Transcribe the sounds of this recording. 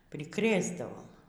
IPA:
pʲrʲɪˈkrʲeːzdɐʋoːm

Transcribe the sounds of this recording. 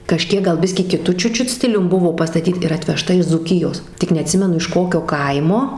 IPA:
kɐʃʲˈkʲiɛk ɡɐlˠ ˈbʲɪsʲkʲiː kʲɪˈtʊ ˈt͡ʃʲʊt ˈt͡ʃʲʊt ˈsʲtʲɪlʲʊm ˈbʊʋoː pɐstɐˈtʲiːt ɪr ɐtʲʋʲɛˈʃtɐ ɪʃ d͡zuːˈkʲɪjoːs tʲɪk nʲɛɐˈtʲsʲɪmʲɛnʊ ɪʃ ˈkoːkʲoː ˈkɐɪmoː

